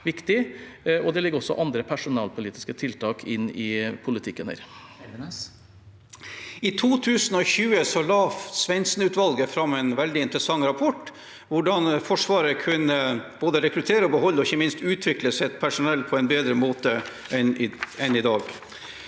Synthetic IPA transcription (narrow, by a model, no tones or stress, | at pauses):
ʋɪkt̪ɪɔd̪ɛlɪɡːəɔsːɔ̰ʔɑnd̪ɾəpʰæʂʊnɑːlpʰʊliːt̪ɪ̥skət̪ʰɪlt̪ʰɑːkʰɪnːɪpʰʊlɪt̪ʰɪkːənhæ̰ɾ | ɪt̪ʰuːt̪ʰʉːsnɔçʉːəsɔlɑːfsʋɛnsnʉːt̪ʋɑlɡəfɾɑmːɛnʋɛld̪ɪɪnt̪ɾəsɑŋːɾɑpʰɔʈː | ʋʊɖɑnfɔʂʋɑːɾəkʰʉnəb̥oːd̪əɾɛkɾʉt̪ʰeːɾəɔbəɦɔlːɔɪçːəmɪnst̪ʉːt̪ʰʋɪkləsɛɛt̪̚pʰæʂʊnɛlːpʰɔɛɪnbeːd̪ɾəmoːt̪ə | ɛnɛnɪd̪ɑːɡ